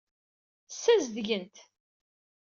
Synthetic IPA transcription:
sːæzðʝənt̪

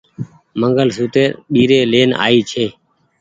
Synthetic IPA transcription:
məŋɡəlsuːt̪eːɗiːɾeːleːna̰ːiːt͡ʃʰeː

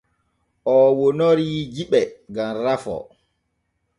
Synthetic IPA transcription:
ʔɔwonoɾid͡ʒiɓɛɡamɾafɔ̰

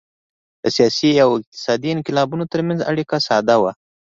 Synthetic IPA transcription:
d̪̥əsijɑsiawɪq̚t̪ɪ̥sɑd̪iɪnqɪlɑbunot̪əɾmanza̰ɽikasɑd̪awa

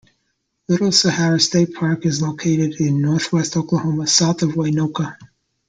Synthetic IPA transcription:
lɪɾl̩ˠsɨhæɹɨsteɪt̚pʰɑɹkɨzloʊkʰeɪɾɨɾɪ̃nːɔɹθwɛstoʊkləhõʊ̃məsaʊθʌvwaɪnoʊkə

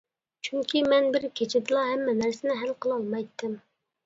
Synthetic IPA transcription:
t͡ʃʰyŋkʲʰimɛnbɪɾkʲʰet͡ʃʰɪd̪ɨlˠɑɦɛmːɛnæɾsɪnɪɦælqʰəlˠɑlˠmɑjt̪ʰːɪm

